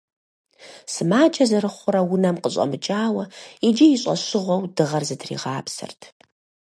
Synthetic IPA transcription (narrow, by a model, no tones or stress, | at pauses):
sɨmaːd͡ʒʰʼɐzɐɾɨχʷʊɾɐwʊnɐmqəɕʼɐ̰mɨt͡ʃʼaːwɐid͡ʒijɪɕʼɐ̰ɕɪʁʷɔwdɨʁɐrzɨtʰrḭːʁaːpsɨ̰rtʰ